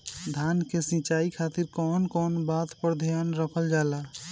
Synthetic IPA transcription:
d̪ʱankesĩt͡ʃaikʰat̪iɾkɔnkɔnbat̪pəɾd̪ʱjanɾəkʰəld͡ʒala

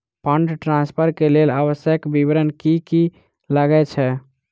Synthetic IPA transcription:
pəɳɖʈɾãnspʰəɾkeleləβəsjəkbibɾənkiki | ləɡɛt͡ʃʰɛ

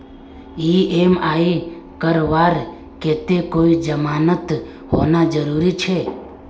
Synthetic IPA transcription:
iemaːe | kəɾʋaːɾ | ket̪ekoːid͡ʒəmaːnət̪ | ho̰ːnad͡ʒəɾuːɾit͡ʃʰe

